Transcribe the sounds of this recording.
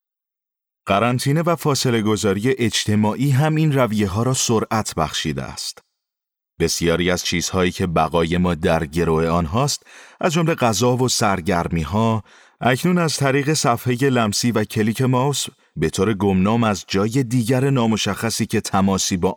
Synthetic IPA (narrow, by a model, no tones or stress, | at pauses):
ɢ̥æɾænt̪ʰiːne̞væfɒːse̞le̞ɡo̞zɒːɾije̞ʔed͡ʒt̪ʰe̞mɒːʔiːɦæmiːnrævije̞ɦɒːɾɒːsoɾʔæt̪ʰbæ̰xʃiːd̪ḛæ̰st̪ | b̥e̞sijɒːɾiːæz̥t͡ʃʰiːz̥hɒːiːcʰe̞bæɣɒːje̞mɒːd̪æɾɟe̞ɾoe̞ɒːnɦɒːst̪ʔæzd͡ʒo̞mle̞ɡæzɒːvo̞sæɾɟæɾmiːɦɒː | æcʰnuːnæzt̪ʰæɾiːɣe̞sæfheje̞læmsiːvæcʰe̞liːcʰe̞mɒws | be̞t̪ʰoːɾe̞ɡo̞mnɒːmæzd͡ʒɒːje̞d̪iːɟæɾenɒːmo̞ʃæxːæsiːcʰe̞t̪ʰæmɒːsiːbɒː